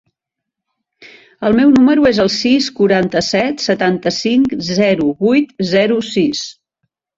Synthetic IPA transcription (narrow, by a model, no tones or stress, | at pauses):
əlˠmɛwnuməɾuezəlˠsiskuɾant̪əsɛt̪sət̪ant̪əsiŋkzɛɾuβujt̪zɛɾusis